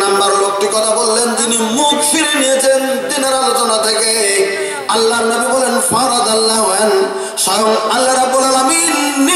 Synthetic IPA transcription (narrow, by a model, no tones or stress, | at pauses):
nambaɾlok̚t̪ikɔt̪ʰabolːentinimukfinenijet͡ɕʰent̪inaɾalot̪ɔnat̪ʰeke | alːaɾnamibɔlenfaɾad̪alːaɦɦɔɛn | sajɔmalːaɾabːolalaminːi